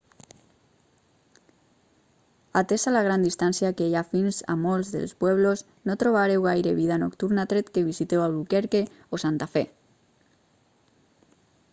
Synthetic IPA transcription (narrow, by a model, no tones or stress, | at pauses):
at̪esalaɣ̞ɾand̪ist̪ansiakejafinza̰molzðḛlspwɛβloz | not̪ɾoβ̞aɾewɣajɾeβiðanokt̪uɾnat̪ɾet̪keβ̞isit̪ewaβlukeɾke | osant̪afe